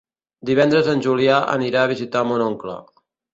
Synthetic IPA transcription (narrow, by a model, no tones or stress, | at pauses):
d̪iβ̞ɛnd̪ɾəzənʲʒuliaə̰niɾaːβ̞izit̪amonoŋklə̰